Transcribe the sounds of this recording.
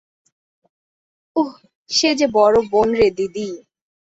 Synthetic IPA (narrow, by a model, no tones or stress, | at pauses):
uh | ʃed͡ʑebɔɾobonɾed̪id̪i